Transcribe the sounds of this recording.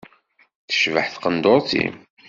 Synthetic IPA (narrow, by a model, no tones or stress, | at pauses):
θə̥ʃvəħθqənd̪oɾˤθḭm